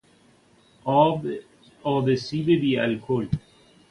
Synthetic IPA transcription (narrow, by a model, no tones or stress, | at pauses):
ɔ | ɔːbesiːbebiːɛ̰lkʰoːl